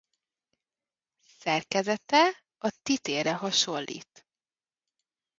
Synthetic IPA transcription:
sɛrkɛzɛt̪ɛ | ɒt̪it̪eːɾɛɦɒʃo̞lːʔḭːt̪

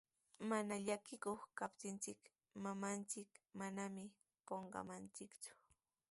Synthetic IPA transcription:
manaʎakɪkoχkapt̪ɪnt͡sɪk | mamant͡sɪkmanamɪ | poɴɢɑ̰mant͡sɪkt͡sʊ̥

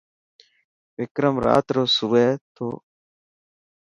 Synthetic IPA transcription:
ʋɪkɾəmɾa̰ːt̪ɾoːsuʋeːt̪ʰo̰ː

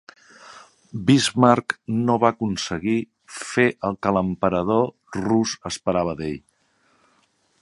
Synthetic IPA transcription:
bizmaɾknoβaəkunsəɣi | feʔəlˠkələmpəɾəð̞o | ruzəspəɾaβ̞əðḛʎ

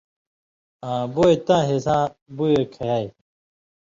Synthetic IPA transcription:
ãːboet̪ãːɦesãbujekʰɐjaːj

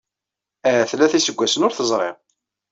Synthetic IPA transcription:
ææθlːæθisəɡʷːæsənʊɾθəzˤɾˤɪ̰ʁ

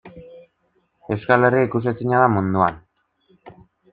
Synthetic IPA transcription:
e̞wskaleriikus̬isiɲaðamund̪uan

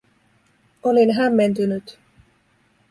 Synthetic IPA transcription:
o̞linɦæmːe̞nt̪ynyt̪

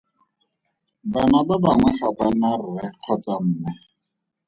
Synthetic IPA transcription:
banababaŋwɛχabanarʊɛq͡χʰɔt͡sam̩ːmɛ

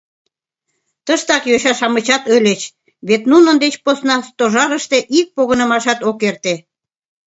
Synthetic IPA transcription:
t̪əʃt̪ɑkjoɕɑʃɑmət͡ɕɑt̪ølʲet͡ɕ | βet̪nunənd̪et͡ɕposnɑst̪oʒɑɾəʃt̪eʔik̚poɣənə̆mɑʃɑt̪okert̪e

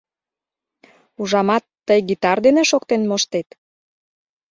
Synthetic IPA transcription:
uʒɑmɑt̪ːəjɡit̪ɑrd̪eneʃokt̪enmoʃt̪et̪

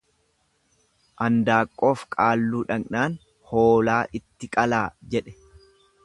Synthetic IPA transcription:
ʔɐnd̪aːkʼːo̞ːfkʼaːlːuːᶑɐŋnaːn | ho̞ːlaːʔɪt̪ːɪkʼɐlaːd͡ʒɛᶑɛ̥

